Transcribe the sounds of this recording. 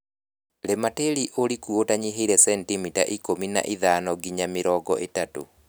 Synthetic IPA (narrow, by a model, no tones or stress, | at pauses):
lemateɾiʔoɾikuotaɲiɦeɾɛsɛntimita̰ʔikomina̰ʔiðaːnɔɡiɲamɪɾɔɡɔ̰ʔetato̰